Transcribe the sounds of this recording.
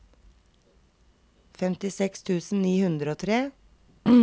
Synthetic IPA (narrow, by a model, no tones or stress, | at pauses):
fɛmt̪ɪsɛkst̪ʰʉːsn̩niːhʉnd̪ɾoːt̪ʰɾeː